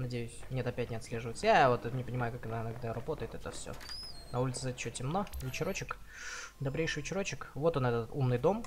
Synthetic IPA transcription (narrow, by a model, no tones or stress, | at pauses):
nɐdʲejʊsʲmnʲet̪ɐpʲæt̚ʲnʲɪɐt̪sʲlʲe̞ʐɨvəjɪt̪səjajavo̞t̪nʲɪpənʲɪmajʊkakɨnnɐɡd̪aɾɐbo̞t̪əjɪt̪ɛt̪əfsʲo̰nɐulʲɪt̪sɨzɛt̪t͡ɕːotʲɪmno̞vʲɪt͡ɕɪɾo̞t͡ɕɪkd̪ɐbɾʲejʂɨvʲɪt͡ɕɪɾo̞t͡ɕɪkvo̞t̪onɛt̪ət̪umnɨjd̪o̞m